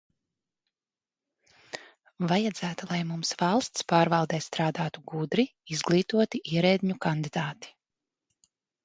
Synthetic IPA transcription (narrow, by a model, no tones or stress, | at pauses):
vajad̪zæːt̪ulˠajmumsvɑlˠst̪spaːɾvalˠd̪ɛːst̪ɾaːd̪aːt̪uɡud̪ɾiizɡlˠiːt̪uɔt̪iʔiɛɾɛːd̪ʲɲukand̪id̪aːt̪i̥